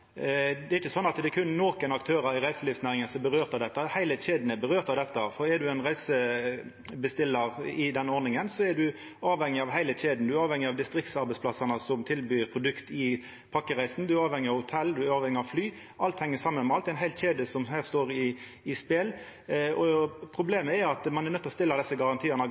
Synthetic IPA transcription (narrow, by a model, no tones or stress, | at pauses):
d̪ɛɾɪçːəsɔnːɑt̪d̪ɛkʰʉnnɔːkənɑkt̪ʰøːɾəɾɪɾæɪsəlɪfsnæːɾɪŋənsɔbəɾøːʁt̪ɑʋd̪ɛt̪ːəhæɪləɕeːd̪nəbəɾøːɾt̪ɑʋd̪ɛt̪ːəfɔɾɛd̪ʉɛɪnʁæɪsə | bəst̪ɪlːəɾɪd̪ɛnːəɔɾnɪŋənsɔɛd̪ʉ | ɑːʋhɛŋːɪɑʋɦæɪləçeːd̪n̩d̪ʉæɾɑːʋhɛŋːɪɑʋd̪ɪst̪ɾɪk̚t̪sɑɾbɛɪsplɑsɑnəsɔmt̪ʰɪlbyːɾpʰɾʊd̪ʉkt̪ɪ | pʰɑkːəʁæɪsn̩d̪ʉæɾɑːʋhɛŋːɪəɑhʊt̪ʰɛlːd̪ʉæɾɑːʋhɛŋːɪɑʋflyː | ʔɑlt̪hɛŋːəsɑmːənmɛɑlt̪ɛæɪnɦæɪlt̪çeːd̪əsɔmhæːʁst̪oːɾɪː | speːl | ɔpʰʁʊbleːməɛɾɑt̪mɑnɛɾnœt̪ːlɔst̪ɪlːəd̪ɛsːəɡɑʁɑnt̪ʰiːənə